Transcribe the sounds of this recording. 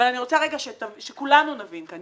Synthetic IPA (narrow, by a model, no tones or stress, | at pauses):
alaniʁo̞t͡saʁeɡaʃet̪avʃekulanunavinkan